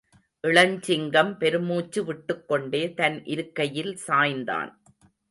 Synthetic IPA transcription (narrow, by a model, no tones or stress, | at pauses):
ʔɪɭɐɲt͡ʃɪŋɡɐmpɛɾɯmuːt͡ʃːɯʋɪʈːɯkːɔɳɖeːt̪ɐnʔɪɾɯkːɐjɪlsaːjnd̪a̰ːn